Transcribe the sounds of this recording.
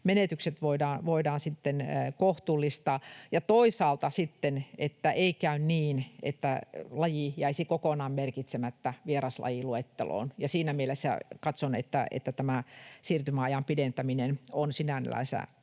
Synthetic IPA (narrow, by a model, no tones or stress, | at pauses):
menet̪ykset̪ʋoidɑːnʋoidɑːnsit̪ːenkoht̪uːlːist̪ɑːjɑt̪oisɑːlt̪ɑsit̪ːenet̪ːæʔeikæynniːnḛt̪ːælɑjijæisikokonɑːmmerkit̪semæt̪ːæʋierɑslʔɑ̰jiluet̪ːḛlo̰ːnjɑsiːnæmielesːæ̰kɑt̪sonḛt̪ːæ̰ḛt̪ːæt̪æmæsiːrt̪ymæɑjɑmpident̪æminenonsinænḛlæ̰isæ̰